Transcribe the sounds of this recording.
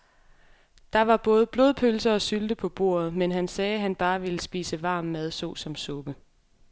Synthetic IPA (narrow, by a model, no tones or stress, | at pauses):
d̥ɑ̈ʋɑ̈b̥ɔ̽ːð̞̩ˠb̥lo̝ðˠpʰølsɐɒ̽syld̥əpʰɒ̽b̥o̝̰ːɐ̰ð̞̩ˠmenɦænsɛːɦænb̥ɑ̈ːʋe̝ləsb̥ḭːsəʋɑ̈ːmːæð̞ˠsɔ̰ːsɒ̽msɔ̽b̥ə